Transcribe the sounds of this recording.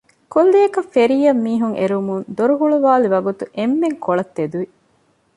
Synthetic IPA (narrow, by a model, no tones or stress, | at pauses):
kolːijɐkɐfeɾijɐmːiːɦuŋḛɾumund̪oɾuɦuɭuʋaːliʋɐɡut̪uʔemːeŋkoɭɐt̪ːed̪uʋi